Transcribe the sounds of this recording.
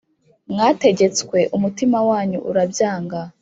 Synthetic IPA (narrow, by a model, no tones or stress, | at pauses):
mŋaːte̞ɟe̞t͡skwe̞ʔumutimawaːɲuʔuɾabjaːŋɡa